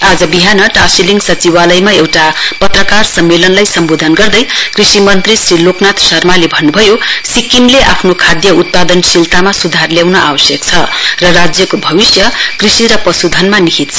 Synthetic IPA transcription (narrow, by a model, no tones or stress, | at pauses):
ad͡zʌbiɦanʌʈasiliŋɡsʌt͡siwalʌjmaewʈapʌt̪rʌkarsʌmːelʌnlajsʌmbod̪ʱʌnɡʌrd̪ʌjkrisimʌnt̪risriloknat̪ʰsʌrmalebʱʌnːubʱʌjosikimleʔapʰnokʰad̪jʌut̪̚pad̪ʌnsilt̪amasud̪ʱarljawnʌʔa̰bʌsjʌkt͡sʰʌrʌrad͡zjʌkobʱʌβisjʌkrisiɾʌpʌsud̪ʱʌnmanikit̪̚t͡sʰʌ